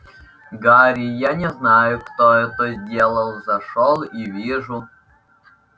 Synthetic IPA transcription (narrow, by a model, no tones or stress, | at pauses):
ɡaɾʲijanʲɛznajʊkt̪oɛt̪əzʲdʲelˠəlˠzɐʂolˠivʲiʐʊ